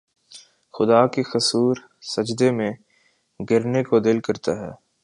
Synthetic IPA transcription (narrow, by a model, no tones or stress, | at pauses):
xʊd̪aːkexɐsuːɾ | sɐd͡ʒd̪emẽ | ɡɪɾnekod̪ɪlkɐɾt̪aɦɛː